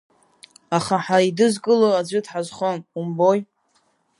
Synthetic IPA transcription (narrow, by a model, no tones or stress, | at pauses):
aχaħaidɨzkʼɨload͡ʑʷʏdħazχonumboj